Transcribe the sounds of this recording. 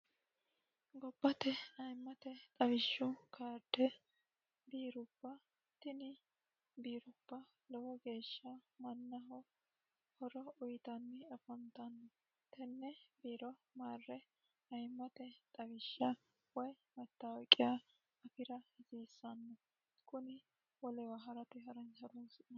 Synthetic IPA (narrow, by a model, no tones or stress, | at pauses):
ɡɔbːɐt̪ɛɐjmːɐt̪ɛt̪ʼɐwɪʃːʊkʰaːɾd̪ɛ | biːɾʊb̥ːɐ | t̪ɪnɪ | biːɾʊb̥ːɐ | lɔwɔɡe̞ːʃːɐmɐnːɐɦɔ | hɔɾɔʊjt̪ɐnːɪɐfɔnt̪ɐnːɔ | t̪ɛnːɛbiːɾɔmaːrːɛ | ɐjmːɐt̪ɛt̪ʼɐwɪʃːɐ | wɔj | mɛt̪ːɐwɔkʼːɪja | ɐpɪɾɐhɪziːsːɐnːɔ | kʊnɪ | wɔlɛwɐɦɐɾɐt̪ɛɦɐɾɐnhɐɾunsɪɐ